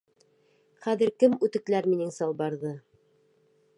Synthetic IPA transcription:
χæðɘ̆ɾkɘmʉt̪ɘ̆klæɾminɘŋsɑlˠbɑɾðɤ

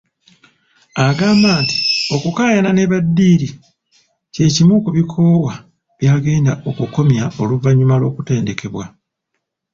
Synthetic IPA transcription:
aɡaːmbaːnti̥o̞kukaːjanane̞βadːiːɾi | ce̞ːcimukuβikʰo̞ːwa | βjaːɡe̞ːndaʔo̞kuko̞mjao̞luvaɲːumalo̞ːkute̞ːnde̞ke̞βwa

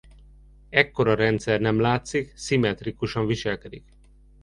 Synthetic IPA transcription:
ɛkːo̞ɾɒɾɛnt̪sɛrnɛmlaːt̪siksimɛt̪rikuʃɒɱviʃɛlkɛd̪ik

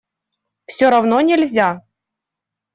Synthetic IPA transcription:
fsʲoɾavnonʲɪlʲzʲa

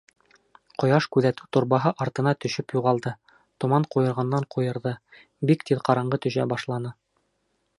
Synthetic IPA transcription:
qŏjɑʃkʉðæt̪ʉt̪ŏɾbɑɦɤʔɑɾt̪ɤ̆nɑt̪ɵ̆ɕɵpjuʁɑlˠd̪ɤ | t̪ŏmɑɴqujɤ̆ɾʁɑnːɑɴqʰujɤ̆ɾðɤ | bikt̪iðqɑɾɑɴɢɤt̪ɵ̆ɕæ̰bɑʃlˠɑnɤ

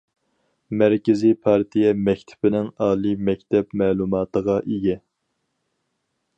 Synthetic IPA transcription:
mæɾkʲɪzipʰɑɾt̪ʰijɛmɛkʲt̪ʰɪ̥bɪnɪŋɑːlˠimɛkʲt̪ʰɛpmɛːlˠumɑːt̪ʰəʁɑʔiɡʲɛ

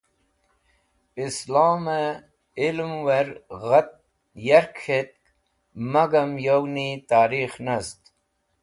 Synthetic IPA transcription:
islaːme | ilmweɾɣɐt̪̚ | jɐɾkʰet̪̚k | mɐɡɐmjownit̪aːɾiːxnɐst̪

